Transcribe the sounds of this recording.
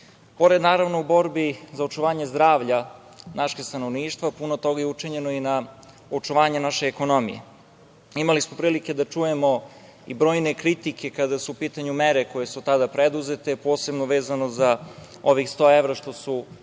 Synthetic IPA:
po̞ɾed̪naːɾaʋno̞ubo̞ɾbizaot͡ʃuʋaːɲezd̪ɾaːʋʎa | naʃest̪anoʋniːʃt̪ʋapunot̪o̞ɡajeut͡ʂiɲe̞noina | ot͡ʂuʋaːɲenaʃeːko̞no̞mḭjḛ | imalismopɾiːlike̞d̪at͡ʂujemo̞ | ibɾo̞ːjnekɾit̪ike̞kad̪asuːpiːt̪aɲumeɾeko̞je̞sut̪ad̪apɾed̪uzet̪epo̞ːse̞bnoʋeːzanoza | o̞ʋixst̪o̞ːeʋɾaʃt̪o̞su

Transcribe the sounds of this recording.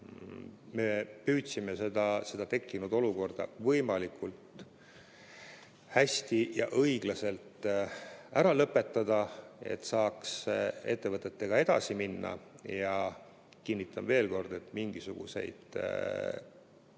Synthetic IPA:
me̞pyːt̪sime̞sed̪ɑse̞d̪̥ɑt̪e̞kːinud̪o̞luko̞rd̪̥ɑ̰vɤjmɑlikʰˑult̪ˑ | hæsʲt̪ijɑʔɤiɡ̥lɑse̞lt̪ | æɾɑlɤpːˑe̞t̪ˑːɑd̪̥ɑe̞̰t̪ːˑsɑːkse̞t̪ːe̞vɤt̪ːˑet̪ːe̞ɡ̥ɑe̞d̪̥ɑ̰siminːɑ̰jɑ | kinːit̪ːˑɑnve̞ːlko̞rd̪̥e̞t̪ːˑmiŋɡ̥isuɡ̥ṵse̞̰jd̪̥

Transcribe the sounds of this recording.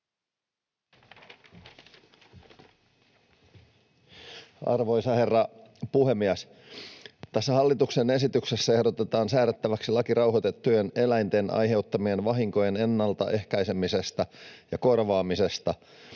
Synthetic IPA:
ɑ̰rʋo̞jsɑhe̞rːɑpuhemːiæs | t̪æsːæhɑlːit̪ukse̞ne̞sit̪ykse̞sːæe̞hdot̪e̞t̪ɑːnsæːɾet̪ːæʋæksilɑkiɾɑwɦot̪et̪ːujene̞læjnt̪e̞nɑ̰jɦe̞ut̪ːɑmienʋɑɦiŋko̞jene̞nːɑlt̪ɑʔe̞hkɑjse̞mise̞st̪ɑjɑko̞rʋɑːmise̞st̪ɑ

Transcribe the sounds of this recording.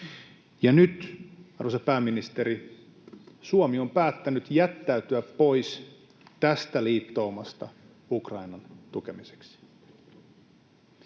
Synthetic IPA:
jɑnyt̪ɑrusepæːmːinist̪eɾi | suomio̞mpæːt̪ːænyt̪jæt̪ːæyt̪yæpːo̞js | t̪æst̪æliːt̪ːo̞ːmɑst̪ɑ̰ | ukrɑjnɑnt̪uk̟e̞mise̥ksi̥

